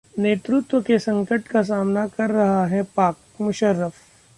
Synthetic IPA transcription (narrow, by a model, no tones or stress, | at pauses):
neːt̪ɾʊt̪wəkesɐ̃ŋkəʈkas̬aːmnakɐɾːɐɦaɦɛpaːk̚ | mʊʃəɾːəf